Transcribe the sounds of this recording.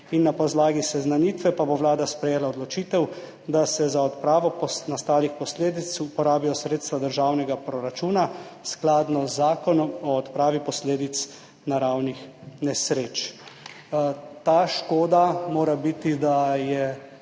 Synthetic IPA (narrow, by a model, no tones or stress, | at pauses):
inːapɔzlaːɡisɛznaniːt̪ʋɛpaboʋlaːd̪aspɾɛjeːlaɔd̪lɔt͡ʃiːt̪ɛw | d̪asɛzaɔt̪pɾaːʋɔpɔsnast̪aːlixpɔsleːd̪it̪supɔɾaːbijɔsɾeːt̪st̪ʋad̪əɾʒaːwnɛɡapɾɔɾat͡ʃuːnasklad̪nɔzːaːkɔnɔmɔːt̪pɾaːʋipɔsleːd̪it̪s | naɾawnixnɛsɾeːt͡ʃ | t̪aːʃkoːd̪amoːɾabit̪id̪ajɛ